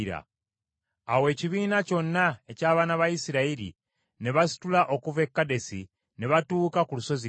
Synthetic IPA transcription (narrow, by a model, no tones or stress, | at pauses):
ɾa̰ | awe̞ːciβiːnaco̞nːae̞caːβaːnaβaisiɾaiɾḭ | niβasi̥tulaʔo̞kuve̞kːade̞si | niβatuːkakuluso̞zi